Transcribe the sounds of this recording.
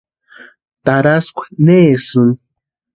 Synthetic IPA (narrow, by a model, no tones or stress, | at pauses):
t̪aɾaskʷe̥neːsɨŋ